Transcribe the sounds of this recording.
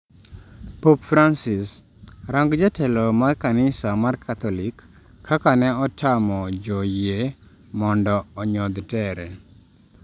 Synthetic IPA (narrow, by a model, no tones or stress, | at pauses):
popfɾansɪs | ɾaŋɡd͡ʒatʰɛlɔmarkanɪsamarkʰat̪ɔlɪkʰː | akanɛɔtʰamɔd͡ʒɔje | mɔndɔɔɲɔd̪tɛɾɛ